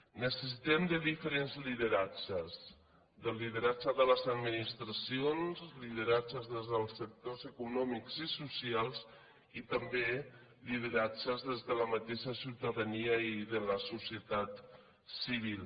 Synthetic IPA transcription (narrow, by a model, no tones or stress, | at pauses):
nəsəs̬it̪ɛmd̪əðifəɾenzliðəɾat͡ʃəz | ðəliðəɾat͡ʃəðələzəd̪minist̪ɾəsionzliðəɾat͡ʃəzðezðəlˠsːək̚t̪ozəkunɔmikz̥isusialˠz | it̪əmbe | liðəɾad͡ʒəzðezðələmət̪eʃəsiwt̪əðəniəiðələsusjət̪at̪ | siβ̞ilˠ